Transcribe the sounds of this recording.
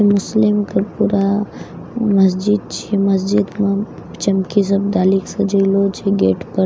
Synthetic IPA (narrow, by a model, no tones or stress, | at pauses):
mʊslimkəpuɾa | mɐs̬d͡ʒid̪̚t͡ʃʰiiməs̬d͡ʒid̪mã | t͡ʃɐmkis̬əb̚d̪aːliksɐd͡ʒəilot͡ʃʰiɡeːʈʰpə